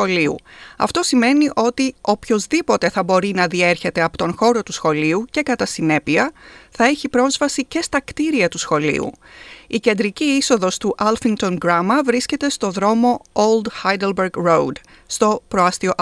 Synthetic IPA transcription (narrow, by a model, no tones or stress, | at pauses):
oliṵɐ̰ft̪o̞sime̞niʔo̞t̪io̞pço̞zðipo̞t̪e̞θɐbo̞ɾinɐðie̞ɾçe̞t̪e̞ɐpo̞t̪o̞nxo̞ɾo̞t̪usxo̞liuce̞kɐt̪ɐsine̞piɐθɐe̞çipɾo̞zvɐsice̞st̪ɐkt̪iɾiɐt̪usxo̞lḭṵice̞nd̪ɾiciiso̞ðo̞st̪uʔɐlfiŋt̪o̞nɡɾɐmɐvɾisce̞t̪e̞st̪o̞ðɾo̞mo̞old̪xajd̪elbeɾɡɾowd̪ | st̪o̞pɾoɐst̪ioʔ